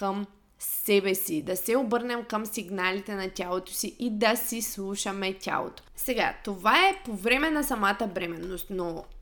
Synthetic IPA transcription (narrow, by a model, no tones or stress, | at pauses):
kəm | sɛbɛsid̪ɐsɛobɤɾnɛmkəmsiɡnalit̪ɛnɐtʲalˠot̪o̥siʔid̪ɐsislˠuʃɐmɛtʲa̰lˠo̰t̪o̥sɛɡa̰t̪ovaɛpovɾɛmɛnɐsɐmat̪əbɾɛmɛnːost̪no